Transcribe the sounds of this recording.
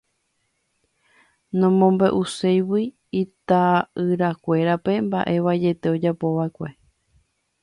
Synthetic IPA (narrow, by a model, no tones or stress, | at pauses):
nõ̞mõmbeʔusejwi | it̪aʔɨɾakʷe̞ɾape̞mba̰ʔe̞ʋad͡ʒe̞t̪e̞o̞d͡ʒapo̞ʋaekʷe̞